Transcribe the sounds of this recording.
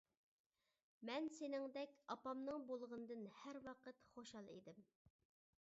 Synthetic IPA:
mɛnsenɪŋd̪ɛkʲɑpɑmnɨŋbolˠʁənɨd̪ɨnhæɾwɑqət̪χoʃɑlˠḭd̪ɪm

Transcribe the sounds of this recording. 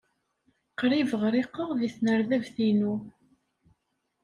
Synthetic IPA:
qɾivəʁɾiqːəʁðiθnəɾðævθinu

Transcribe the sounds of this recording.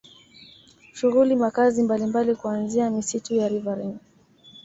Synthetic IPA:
ʃuɣulimakazimbalimbalikuanziamisitujaɾivaɾɛn

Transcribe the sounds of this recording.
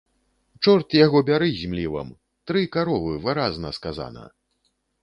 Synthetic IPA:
t͡ʂɔrt̪jaɣɔbʲaɾɨzʲmlʲivɐ̰m | t̪ɾɨkaɾɔvɨvɨɾaznɐskaza̰nɐ̰

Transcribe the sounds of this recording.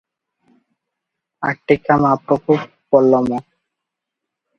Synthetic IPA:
a̰k̚ʈikːamapɾɔkʰub | pɔlːɔmɔ

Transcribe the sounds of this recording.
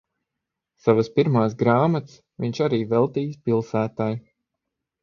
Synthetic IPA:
savəspiɾmaːs̬ɡɾaːmat̪s | viɲʃaɾiːvɛlˠt̪iːjspilˠsæːt̪aj

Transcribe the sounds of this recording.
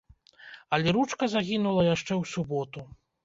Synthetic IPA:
ɐlʲɛɾut͡ʂkɐzaɣʲinulˠɐjaʂt͡ʂɛwsubɔt̪u

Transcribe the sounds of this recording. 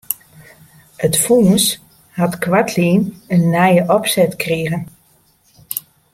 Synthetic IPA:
ətfuːs | hatkʋatʰliːnənːɛjəʔɔpsɛtkreəɣən

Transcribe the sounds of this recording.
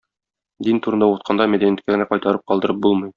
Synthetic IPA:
d̪int̪uɾɤ̆nd̪ɑut̪̚qʰɑnd̪ɑmæd̪ænijæt̪kæɡɘ̆næqɒjt̪ɑɾɤp̚qɒlˠd̪ɤ̆ɾɤp̚bulˠmɤj

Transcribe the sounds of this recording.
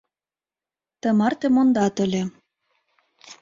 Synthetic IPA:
t̪ə̆mɑrt̪emond̪ɑt̪ə̆lʲĕ

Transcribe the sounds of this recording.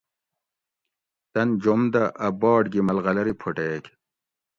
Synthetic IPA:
t̪ɐnd͡ʑomd̪ɐʔɐbɑːɖɡimɐlɣɐlɐɾipʰoʈeːk

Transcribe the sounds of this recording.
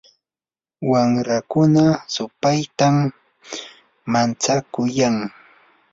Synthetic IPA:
wamɾakʊnasʊpajt̪am | ant͡sakʊjaŋ

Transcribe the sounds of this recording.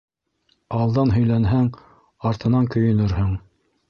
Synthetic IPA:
ɑlˠd̪ɑnɦɵ̆jlænɦæŋ | ɑɾt̪ɤ̆nɑŋkɵ̆jɵ̆nɵɾhɵŋ

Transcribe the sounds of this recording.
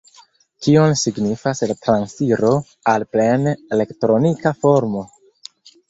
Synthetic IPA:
kionsiɡnifaslatɾansiɾo̞ | alplenele̞ktɾo̞nikafo̞ɾmo̞

